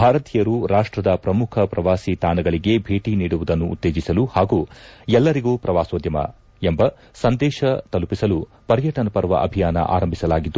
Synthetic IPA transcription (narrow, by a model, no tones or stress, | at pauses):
bʱaːɾɐt̪ijɐɾuɾaːʂʈɾɐd̪ɐpɾɐmukʰɐpɾɐʋaːsit̪aːnɐɡɐɭiɡe̞bʱe̞ːʈiniːɽuʋud̪ɐnːuṵt̪ːeːd͡ʒisɐluhaːɡuːɛlːɐɾiɡuːpɾɐʋaːsoːd̪jɐmɐ̰ | embɐ | sɐnd̪ɛːʃɐt̪ɐlupisɐlu | pɐɾjɐʈɐnɐpɐɾʋɐ̰ʔɐ̰bʱijaːnɐ̰ʔa̰ːɾɐmbʱisɐlaːɡid̪ːu